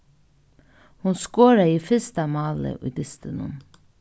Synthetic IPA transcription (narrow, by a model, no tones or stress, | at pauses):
hʊnskoːɾəiːfɪst̪ɑmɑːlə̰ʔḭːd̪ɪst̪ənʊ̰n